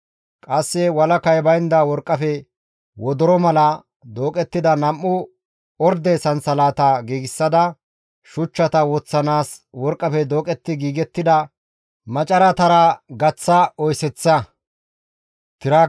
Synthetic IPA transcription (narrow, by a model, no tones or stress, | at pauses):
kʼɐsːɛwɐlɐkɐjbɐjnd̪ɐwɔɾkʼːɐfɛ | wɔd̪ɔɾɔmɐlɐ | d̪oːkʼɛt̪ːɪd̪ɐnɐmːʊ | ɔɾd̪ɛsɐnsɐlaːt̪ɐɡiːɡɪsːɐd̪ɐ | ʃʊt͡ʃːɐt̪ɐwɔt͡sːɐnaːswɔɾkʼːɐfɛd̪o̞ːkʼɛt̪ːɪɡiːɡɛt̪ːɪd̪ɐ | mɐt͡ʃʼɐɾɐt̪ɐɾɐɡɐt͡sːɐɔjsɛt͡sːɐ | t̪ɪɾa